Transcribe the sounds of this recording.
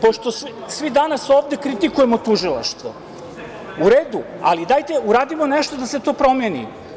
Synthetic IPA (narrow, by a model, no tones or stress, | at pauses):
poʃt̪o̞ssʋid̪anasoːʋd̪e̞kɾit̪ikuje̞mot̪uʒilˠa̰ʃt̪ʋo̰ | uɾeːd̪u | a̰lid̪aːjt̪e̞uɾaːd̪imo̞neʃt̪od̪ase̞t̪o̞ːpɾo̞mjenḭ